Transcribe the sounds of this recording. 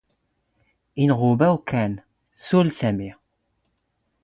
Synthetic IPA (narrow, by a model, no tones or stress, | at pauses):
inʁubæwkʰæn | sulsæmi